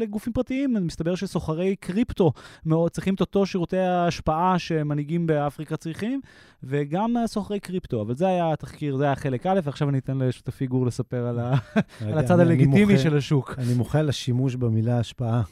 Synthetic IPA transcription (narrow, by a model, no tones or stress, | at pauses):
leɡufimpʁat̪iimanimist̪abe̞ʁʃeso̞χaʁe̞jkʁipt̪o̞meot͡sʁiχimt̪ot̪o̞ʃiʁut̪ejaːʃpaʔaʃe̞maniɡimbeafʁikat͡sʁiχim | ve̞ɡamsoχaʁe̞jkʁipt̪o̞avalzeajat̪aχkiʁzeajaχe̞le̞kale̞faχʃavaninit̪enleʃu̥t̪efiɡuʁle̞sape̞ʁalaalat͡sad̪aleimtimiʃelaʃukanimoχelaʃimuʃbemilaːʃpaa